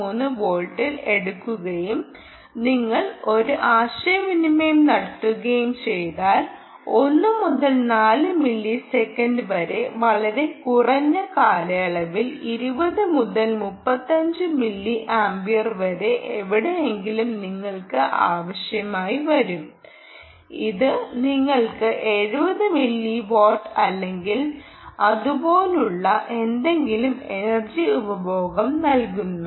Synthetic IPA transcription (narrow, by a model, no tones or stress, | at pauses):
uːnːɨʋo̞ːlʈːile̞ɽukːuɣɐjum | niŋːɐɭo̞ɾuʔaːɕɐjɐʋinimejmnɐɽɐtːuɣɐjumt͡ɕe̞jðaːl | o̞nːɨmuðɐlnaːlɨmilːisekːɐndɨʋɐɾe̞ʋɐɭɐɾe̞kurɐɲːɐkaːlɐjɐɭɐʋiliɾubɐðɨmuðɐlmupːɐt̪ːɐɲd͡ʑɨmilːiʔaːmbijɐrʋɐɾe̞ʔeʋiɽeeŋɡilumniŋːɐɭkɨʔa̰ːʋɐɕjɐmaːjiʋɐɾum | iðɨniŋːɐɭkɨʔe̞ɻubɐðɨmilːiʋo̞ːʈːɐlːe̞ŋɡil | ɐðubo̞ːluɭːɐʔe̞nd̪e̞ŋɡilume̞nɐrd͡ʑiubɐbʱoːɡɐmnɐlkunːu